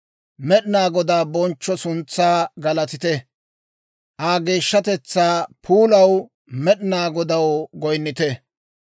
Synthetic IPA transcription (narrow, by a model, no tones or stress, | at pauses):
mɛɗɪnaːɡɔd̪aːbɔnt͡ʃːɔsʊnt͡sːaːɡɐlɐt̪ɪt̪ɛ | ʔaːɡe̞ːʃːɐt̪ɛt͡sːaːpʰuːlɐw | mɛɗɪnaːɡɔd̪ɐwɡɔjnːɪt̪ɛ